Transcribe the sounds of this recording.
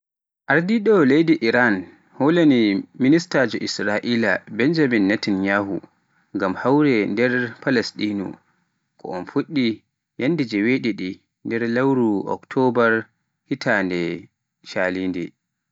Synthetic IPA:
ʔaɾdiɗɔlejdiʔiɾan | holaniministaːd͡ʒɔʔisɾaʔiːlabɛnd͡ʒamɛnːatinjaːhṵ | ŋɡamhawɾɛndɛɾpalɛstinṵ | kʰɔ̰ʔɔnfuɗːi | jandid͡ʒɛweɗiɗi | ndɛɾlawɾuɔ̰ktʰɔbaɾ | hitʰandɛ | ʃaːliːndɛ

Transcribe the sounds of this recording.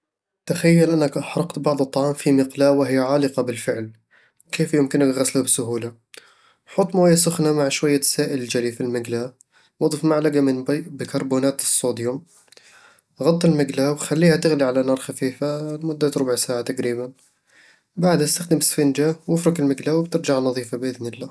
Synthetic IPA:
t̪axajːalʔanːakʔaħɾˤɑqt̪bɑʕd̪ˤɨt̪ˤːɑʕɑːmfimɪqlaːwɪɦɪjːaʕaːlɨqɑbɪlfɪʕl | wkeːfjɪmkɪnakɣaslabsʊɦuːla | ħʊt̪ˤːmoːjːasʊxnamaʕʃwajːasaːʔɪlɪld͡ʒalifilmɪɡla | wɑd̪ˤfmaʕlaɡamɪnbɪkɑɾˤbuːnaːt̪ɨsˤːoːd̪jʊm | ɣɑt̪ˤːɪlmɪɡlawxalːiːhat̪ɪɣliʕalanɑːɾˤxafiːfamʊd̪ːat̪ɾʊbʊʕsaːʕat̪aqɾiːban | baʕd̪ast̪axd̪ɪmɪsfind͡ʒawɪfɾɑkɪlmɪɡlawɪb̚t̪ɪɾd͡ʒaʕnɑðˤiːfabʔɪðnɪlːaː

